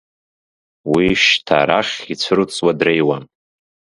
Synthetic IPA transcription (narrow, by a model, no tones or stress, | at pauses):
wiʃtʰa̰ɾaχʲit͡sʷʰɨrɨt͡sʼwadrejwan